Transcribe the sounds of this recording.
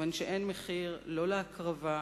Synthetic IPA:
anʃeʔe̞nmeχiʁlo̞leakʁava

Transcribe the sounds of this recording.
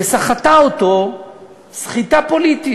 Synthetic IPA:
esaχat̪aot̪o | sχit̪apo̞lit̪i

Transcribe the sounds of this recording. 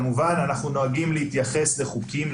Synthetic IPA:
muvananaχnuno̞aɡimlehit̪jaχe̞sle̞χukim

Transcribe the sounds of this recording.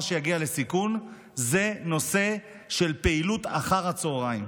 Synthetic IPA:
ʃejaɡiale̞sikun | ze̞no̞se̞ | ʃe̞lpeilut̪a̰χaʁhat͡soːʁaim

